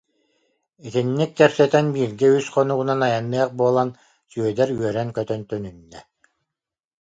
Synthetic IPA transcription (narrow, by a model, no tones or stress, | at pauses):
it̪inːikːɛpsɛt̪ɛnbiːɾɡɛysχɔnuɣunanajanːɯɛχbuɔlˠan | syœd̪ɛɾyœɾɛnkœt̪œnt̪œnynːɛ̰